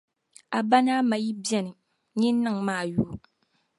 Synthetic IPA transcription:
a˨ba˦naː˦ma˨ji˦bi˦ɛ˦nɨ˨ | ɲɪ˦n˦nɨ˦ŋmaː˦˨juː˨˦

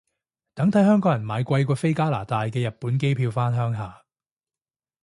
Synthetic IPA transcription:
t̪ɐ˨˥ŋt̪ʰɐ˨˥jɦœː˥ŋkɔː˨˥jɐ˨˩nmaː˨˧jkʷɐ˧jkʷɔː˧fe˥jkaː˥la̰ː˨˩t̪aː˨˧jkɛː˧jɐ˨t̚puː˨˥nk̬e˥jpʰiː˧wfaː˥nɦœː˥ŋɦaː˨˩

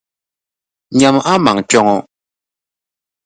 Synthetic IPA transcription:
ɲa˨ma˦ma˨ŋt͡ʃɔ˧˦ŋɔ˦

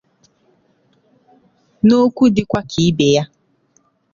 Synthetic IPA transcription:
no˦kʷu˦dɪ˦kʷa˦kʰi˨i˦be˨ja˦

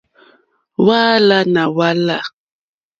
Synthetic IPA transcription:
waː˦la˦na˨wa˦la˦˨

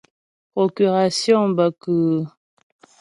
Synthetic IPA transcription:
pʁo˨ky˨ʁa˨sjɔ̃˦ba˨kə˨

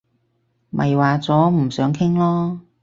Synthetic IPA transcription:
mʔɐ̰˨jwaː˨t͡sɔː˨˥m̩˨˩sœː˨˥ŋkʰɪ˥ŋlɔː˥

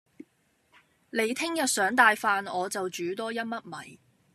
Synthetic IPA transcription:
le˨˧jt̪ʰɪ˥ŋjɐ˨t̚sœː˨˥ŋt̪aː˨jfaː˨nɔː˨˧t͡sɐ˨wt͡ʃyː˨˥t̪ɔː˥jɐ˥t̚mɐ˥t̚mɐ̰˨˩j

